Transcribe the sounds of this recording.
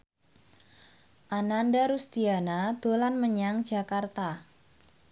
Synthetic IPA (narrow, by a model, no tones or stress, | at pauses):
ʔanandaɾust̪ianad̪̥o̤lanməɲaŋd͡ʒ̥a̤kart̪a